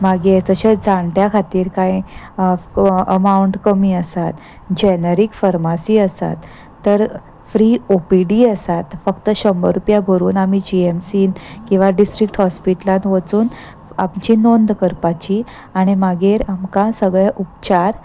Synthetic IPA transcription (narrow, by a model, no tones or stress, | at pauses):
maɡeɾd͡zəɕad͡zaɳʈjakʰat̪iːɾkãj | əmauɳʈkəmiːəsat̪ | d͡ʑɛnəɾikfəɾmasiːəsa̰t̪ː | əɾ | fɾiopiɖiəsat̪fəkt̪əɕəmbəɾupjabʱəɾuːnamid͡ʑiemsiːnkĩw̃ʋaɖisʈɾik̚ʈhɔspiʈlãnʋət͡suːn | a̰mt͡ɕinond̪kəɾpat͡ɕi | aɽ̃imaɡeɾamkãsəɡɭeʔupt͡ɕaɾ